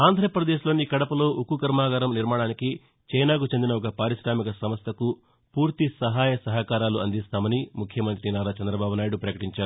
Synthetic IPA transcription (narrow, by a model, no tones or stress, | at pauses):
aːnd̪ʱɾɐpɾɐd̪eːʃlo̞ːnikɐɽɐpɐlo̞ːʔukukɐɾmaːɡɐɾɐmniɾmaːɽaːniki | t͡ʃɐjnaːk̬ut͡ʃend̪inɐɔkɐpaːɾiʃɾaːmikɐsɐmɐst̪ʰɐku | puːɾt̪isɐɦaːjɐsɐɦakaːɾaːluɐnd̪ist̪aːmɐnimukʰjɐmɐnt̪ɾinaːɾaːt͡ʃɐnd̪ɾɐbaːbunaːjiɽupɾɐkɐʈiɲt͡ʃaːɾuu